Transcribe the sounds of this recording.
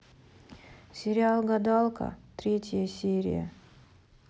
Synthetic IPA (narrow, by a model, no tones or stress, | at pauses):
sʲɪɾʲɪalˠɡɐd̪ɑlˠkə̰t̪ɾʲetʲɪjəsʲeɾʲɪ̰jə̰